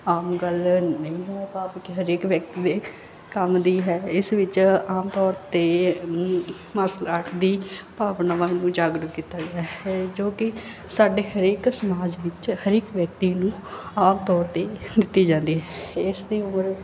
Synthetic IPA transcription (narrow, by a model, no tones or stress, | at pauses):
aːmɡəlnəĩːɦɛːpaːpkɪɦəɾeːkʋjək̚t̪iːd̪eː | kəmd̪iːɦɛːɪsʋɪt͡ʃaːmt̪ɔːɾt̪eː | məslaːʈʰd̪iːpaːʋnaːʋaːnũːd͡ʒaːɡɾəkiːt̪aːɡɪaːɦɛːd͡ʒoːkɪ | saːɖeːɦəɾeːksəmaːd͡ʒʋɪt͡ʃhəɾeːkʋjək̚t̪iːnũːaːmt̪ɔːɾt̪eːd̪ɪt̪ːiːd͡ʒãːnd̪iːɦɛɪsd̪iːʊməɾ